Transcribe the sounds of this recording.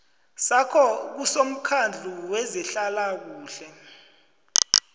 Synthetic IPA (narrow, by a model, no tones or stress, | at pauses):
sakʰɔk̬usom̩kʰand͡ɮʱuwɛzɛɬalak̬uːɬɛ